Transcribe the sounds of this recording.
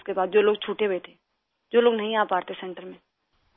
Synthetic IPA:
skebaːd̪̚d͡ʒoːloːɡt͡ʃʰuːʈebeːt̪ʰe | d͡ʒoːloːɡnɐɦĩaːpaːɾt̪esɛ̃ːɳʈəɾmẽ

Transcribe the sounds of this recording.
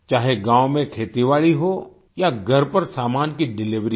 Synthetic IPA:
t͡ʃaːɦeɡaːwmẽkʰeːt̪iʋaːɭiɦo | jaɡʱɐɾpɐɾsaːmaːnkiɖɪlɪʋɾi

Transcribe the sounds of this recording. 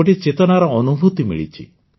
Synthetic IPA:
oʈit͡ʃet̪ɔnaɾɔɔnubʱut̪imḭɭḭt͡ʃʰḭ

